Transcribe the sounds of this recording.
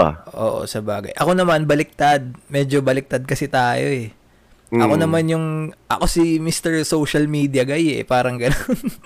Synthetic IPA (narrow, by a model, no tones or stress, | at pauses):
ʔo̰ːʔo̞̰sɐbaːɡɐ̰jʔɐko̞nɐmanbɐlɪk̚t̪ad̪̚mɛd͡ʒobɐlɪk̚t̪ad̪̚kɐsɛt̪aːjo̞ɛ | ʔɐ̰ko̞nɐmanjʊŋʔɐ̰ko̞simist̪ɛɹsowʃɐlmiːd̪iɐɡɐjɛ̰paːɾɐŋɡɐnon